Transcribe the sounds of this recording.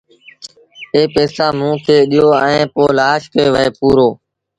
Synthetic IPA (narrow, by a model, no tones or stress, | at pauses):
eːpeːsaːmũːkʰeːɗɪjoːəẽːpoːlaːʃkəeːʋəeːpuːɾoː